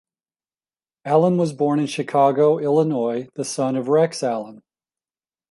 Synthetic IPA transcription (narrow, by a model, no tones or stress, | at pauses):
ælˠə̃nwʌzbɔɹnɨ̃nʃɨkʰɑɡoʊʔɪlˠənɔɪðɨsʌ̃nʌvɹɛksælˠə̃n